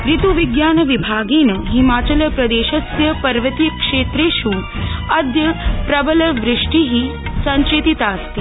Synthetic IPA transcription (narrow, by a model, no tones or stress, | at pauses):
pɾit̪uʋiɡjaːnɐʋibʱaːɡeːnɐɦimaːt͡ʃɐlɐpɾɐd̪eːʃɐsjɐpɐɾʋɐt̪ikʂeːt̪ɾeːʃuːɐd̪jɐpɾɐbɐlɐʋɾɪʂʈiɦi | sɐ̃ɲt͡ʃeːt̪it̪aːst̪i